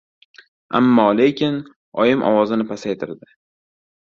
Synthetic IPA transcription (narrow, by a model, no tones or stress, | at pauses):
ʔa̰mːɒːle̞kʲʰɪn | ɒjɪmʔɒ̰wɒzɪnɪpʰasajt̪ʰɪɾd̪ɪ